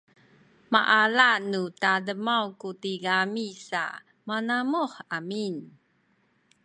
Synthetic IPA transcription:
maʔalanutadəmawkutiɡamisa̰ | manamuħamin

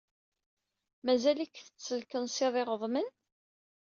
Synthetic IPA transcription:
mæzælikθə̥t͡sːəlkənsɪðˤɪʁəðˤmən

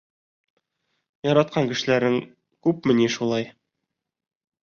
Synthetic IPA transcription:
jɒɾɑt̪̚qɑŋkɘ̆ʃɘ̆læɾɘŋ | kʉp̚mɘ̆niʃulˠɑj

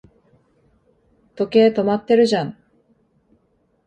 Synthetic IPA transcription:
t̪o̞ke̞ːt̪o̞mat̪ːe̞ɾɯ̟ʑãŋ

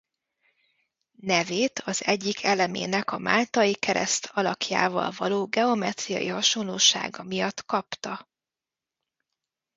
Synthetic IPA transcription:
nɛveːt̪ʰɒzɛɟːikʰɛlɛmḛːnɛkɒmaːlt̪ɒjikɛɾɛ̰st̪ʰɒlɒkja̰ːvɒ̰lvɒloːɡɛo̞mɛt̪ɾijɒ̰jihɒʃo̞nloːʃa̰ːɡɒmijɒt̪kɒpt̪ɒ

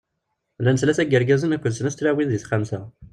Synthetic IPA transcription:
lænəslæsæɡəɾɡæzənækʷːəðsənæst̪læwinðiθχamsæ

